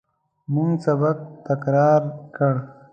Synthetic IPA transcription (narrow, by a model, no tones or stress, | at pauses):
muŋsabak̚t̪akɾɑːɾkəɽ